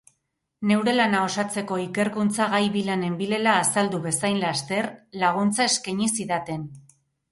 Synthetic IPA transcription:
ne̞wɾe̞lanao̞sat͡se̞ko̞ike̞ɾkunt͡saɣajβilane̞mbile̞laːsald̪uβe̞sajnlast̪e̞ɾlaɣ̞unt͡sae̞skaɲisiðat̪e̞n

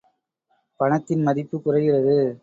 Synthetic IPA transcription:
pɐɳɐt̪ːɪnmɐðɪpːɯkʊrɐɣɪrɐðɯ

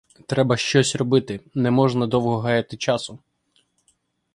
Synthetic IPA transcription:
t̪ɾɛbɐʃt͡ʃɔsʲrɔbɪt̪ɪnɛmɔʒnɐd̪ɔwɦɔɦɑjɐt̪ɪt͡ʃɑsʊ

